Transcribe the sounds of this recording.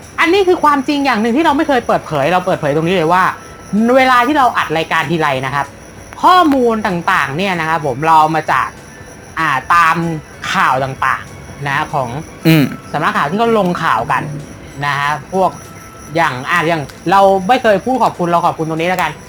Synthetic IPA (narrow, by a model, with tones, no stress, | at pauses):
ʔa˧nːiː˦˥˩kʰɯː˧kʰwaː˧mt͡ɕi˧ŋjaː˨˩ŋnɯ˨˩ŋt̪ʰiː˥˩ɾa˧wma˥˩jkʰɤː˧jpɤː˨˩t̪̚pʰɤː˩˦jɾa˧wpɤː˨˩pʰɤː˩˦t̪o˧ŋniː˦˥lɤː˧jwaː˥˩ | weː˧laː˧t̪ʰiː˥˩ɾa˧wʔa˨˩t̪̚ɾaː˧jkaː˧nt̪ʰiː˧ɾa˧jna˦˥kʰa˦˥p̚ | kʰɔː˥˩muː˧nt̪aː˨˩ŋt̪aː˨˩ŋni˥˩ɐna˦˥kʰa˦˥pʰːo˩˦mɾa˧wmaː˧t͡ɕa̰ː˨˩k̚ | ʔaː˨˩t̪aː˧m | kʰaː˨˩wt̪aː˨˩ŋt̪a̰ː˨˩ŋ | na˦˥kʰɔː˩˦ŋ˧˩ | sa˨˩˦mɾa˦˥kʰaː˨˩wt̪iː˥˩a˥wlo˧ŋkʰaː˨˩wka˧nː | a˦˥kʰa˦˥pʰu˥˩ək̚ | jaː˨˩ŋʔaː˨˩t̚jaː˨˩ŋ | ɾa˧wma˥˩jkʰɤː˧jpʰuː˥˩t̪̚kʰɔː˨˩p̚kʰu˧nɾa˧wkʰɔː˨˩p̚kʰu˧nt̪o˧niː˦˥la˦˥ka˧n